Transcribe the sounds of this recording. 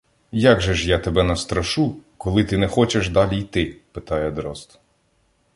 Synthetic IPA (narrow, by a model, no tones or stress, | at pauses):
jaɡʒɛʃjat̪ebɛnɐst̪ɾɐʃukɔlˠɪt̪ɪnɛxɔt͡ʃeʃd̪ɑlʲijt̪ɪpɪt̪ɑjɛd̪ɾɔst̪